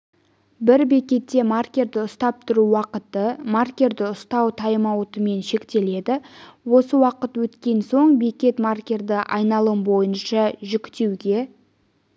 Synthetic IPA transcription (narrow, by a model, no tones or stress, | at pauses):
bɪɾbe̞kʲe̞t̪ːe̞markʲe̞rd̪ɪʊst̪ɑp̚t̪ʰʊɾuwɑqət̪əmarkʲe̞ɾd̪ɪʊst̪ɑwt̪ʰɑjəmɑwt̪əme̞nʃe̞kt̪e̞le̞d̪ɪwo̞səwɑqət̪wɵt̪kʲe̞nso̞ɴbe̞kʲe̞t̪markʲe̞rd̪əʔɑjnɑlˠəmbo̞jənʃɑʒʏkʲt̪e̞wɡʲe̞